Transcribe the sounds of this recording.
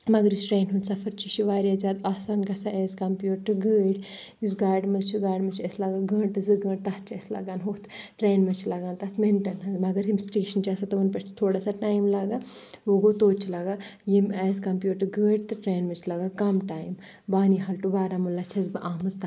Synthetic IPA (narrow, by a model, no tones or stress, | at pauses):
mɐɡɐɾjusʈɾeːnɦund̪sɐfʰɐɾt͡ʃʰit͡ʃʰiʋaːɾjaːzʲaːd̪aːsaːnɡɐsaʔeːzkɐmpjuːʈɐɡəːɖ | jusɡaːɖmɐzt͡ʃʰiɡaːɖmɐt͡ʃʰɐslɐɡaːɡə̃ːɳɨzɨɡə̃ːɳɖ̚t̪ɐt̪̚ʰt͡ʃʰɐslɐ̰ɡaːnɦoːt̪ʰʈɾeːnmɐt͡ʃʰilɐɡaːnt̪ɐt̪ʰmenʈɐnɦɐzmɐɡɐɾimsʈeːʃɐnt͡ʃiaːsat̪ɐʋɐnpɐʃt̪ʰt̪ʰoːɽaːsaʈaːjmlaɡaːʋoɡot̪oːt͡ʃʰilɐɡajimeːzkɐmpjuːʈɐɡəːɖt̪ɨʈɾeːnmɐt͡ʃʰlɐɡaːkɐmʈaːjm | baːniɦɐlʈubaːɾamulːɐt͡ʃʰɐzbɨʔaːmɨzt̪a